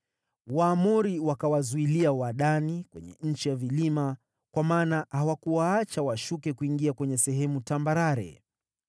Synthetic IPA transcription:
waːmuɾiwakawazuiliawaɗanikwɛ̰ɲɛ̰ɲ̩t͡ʃijavilima | kwamaːnahawakuwaat͡ʃawaʃukɛkuiŋɡiakwɛɲɛsɛɦɛmutambaɾaɾɛ̰

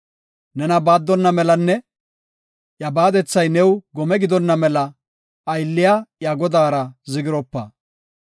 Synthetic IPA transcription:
nɛnɐbaːd̪ːɔnːɐmɛlɐnːɛ | jɐbaːd̪ɛt͡sːɐjnɛwɡɔmɛɡɪd̪ɔnːɐmɛlɐː | jlːɪjajɐɡɔd̪aːɾɐzɪɡɪɾɔpːɐ

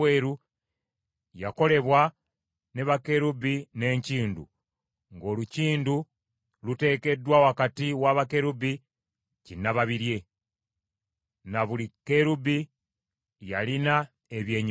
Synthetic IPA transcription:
eːɾu | jako̞le̞βwa | ne̞βake̞ɾubine̞ːɲciːndṵ | ŋɡo̞ːluciːndu | lute̞ke̞dwawakatiwaβake̞ɾubi | cinːaβaβiɾje̞ | naβulike̞ɾubi | jalina | eβje̞ːɲ

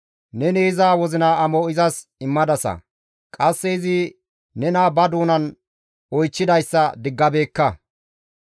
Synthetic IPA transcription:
nɛneːzaːwɔzɪnaɐmɔɪzɐs | ɪmːɐd̪ɐsɐ̰ | kʼɐsːɛɪzɪ | nɛnaːbɐd̪uːnɐn | ɔjt͡ʃːɪd̪ɐjsːɐd̪ɪɡːɐbe̞ːkːɐ

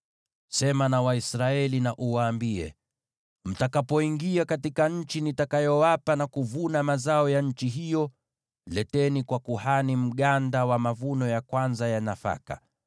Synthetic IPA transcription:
sɛmanawaisɾaɛlinaʔuwaːmbiɛ̰ | m̩takapɔiŋɡiakatikaɲ̩t͡ʃinitakajɔwapanakuvunamazaɔjaɲ̩t͡ʃiɦijɔ | lɛtɛnikwakuhanim̩ɠandawamavunɔjakwanzajanafa̰ka̰

